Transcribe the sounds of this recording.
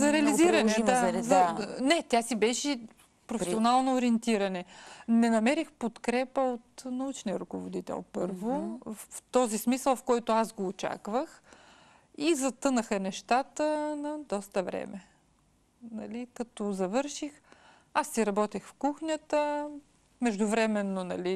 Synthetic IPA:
zɐɾɛɐliziɾɐnɛd̪azɐnɛt̪ʲasibɛʃɛ | pɾofɛsionalˠnoːɾiɛnt̪iɾɐnɛnɛnɐmɛɾixpot̪kɾɛpəot̪nɐut͡ʃnijəɾʊkovod̪it̪ɛ̰lˠpɤɾvoft̪ɔzismisəlˠfkɔjt̪oasɡoːt͡ʃa̰kvəx | izɐt̪ɤnəxənɛʃt̪at̪ənɐd̪ɔst̪əvɾɛ̰mɛ | nɐ̰likɐt̪ɔzɐvɤɾʃix | asːiɾɐbɔt̪ixfkuxnʲət̪ə | mɛʒd̪ʊvɾɛmɛnːonɐ̰li

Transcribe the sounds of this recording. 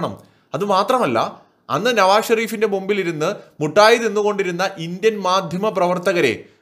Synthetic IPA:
ɳɐm | ɐðɨmaːt̪rɐmɐlːɐ̰ | ɐnːɨnɐʋaːɕɐɾiːfinde̞mumbiliɾunːɨmuʈːaːjiðenːuɣo̞ɳɖiɾunːɐʔindjɐnmaːd̪ʱjɐmɐprɐʋɐrt̪ɐɣɐɾe̞̰

